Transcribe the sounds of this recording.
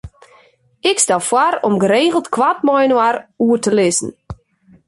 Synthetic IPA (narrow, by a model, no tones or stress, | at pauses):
ɪkstɛlˠfwaɾɔmɡəɾeːɣəl̩ˠtkʰwat̚mɔjnwaɾuərtəlɪsn̩